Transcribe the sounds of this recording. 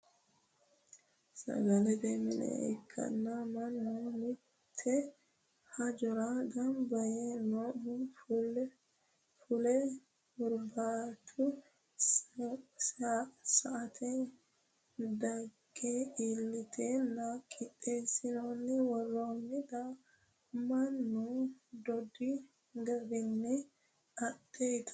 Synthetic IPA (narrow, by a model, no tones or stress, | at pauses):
sɐ̰ɡɐlɛd̪eːmɪnɛ̰ɛ̰kʰːɐ̰nːamɐnːoːnɪ | t̪ʰːɛ | hɐd͡ʒɔɾaːɡɐmbɐjeːnohʊ | fʊlɛ | bʊɾbaːt̪ʰʊ | saʔat̪ʰɛ | daɡɛilːit̪ʰɛnakʼiɗɛsinonːiwɔlːonːid̪a | manːudɔdːi | ɡɐbinːi | aɗɛjt̪ʰḁ